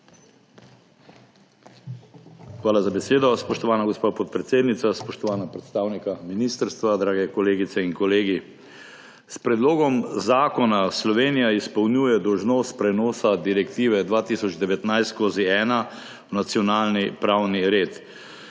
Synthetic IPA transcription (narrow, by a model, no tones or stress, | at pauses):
xʋaːlazabɛseːd̪ɔspɔʃt̪ɔʋaːnaɡospaːpɔt̪̚pɾɛt̪seːd̪nit̪saspɔʃt̪ɔʋaːnapɾɛt̪st̪aːwnikaminist̪əɾst̪ʋad̪ɾaːɡɛkɔleːɡit̪sɛinkɔleːɡi | spɾɛd̪loːɡɔmzaːkɔnaslɔʋeːnijaispɐwnjuːjɛd̪ɔwʒnoːspɾɛnɔːsad̪iɾɛkt̪iːʋɛd̪ʋaːt̪isɔd͡ʒd̪ɛʋɛt̪najst̪skoːziɛːna | wnat̪sijɔnaːlnipɾawniɾeːt̪